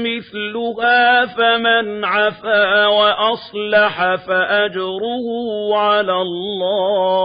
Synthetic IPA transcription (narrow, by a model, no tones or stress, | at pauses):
mɪθlʊhaːfamanʕafaːwaʔɑsˤlɑħafaʔad͡ʒɾʊhʊʕalalːaː